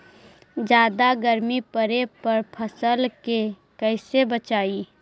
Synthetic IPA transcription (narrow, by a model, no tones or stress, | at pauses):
d͡ʒjaːd̪aɡəɾmipəɾepɐɾpʰəsəlke | kɛɪsebət͡ʃaːi